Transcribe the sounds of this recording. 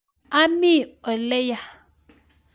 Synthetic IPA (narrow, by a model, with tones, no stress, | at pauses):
a˦mi˦˨ɔ˨lɛ˦ja˨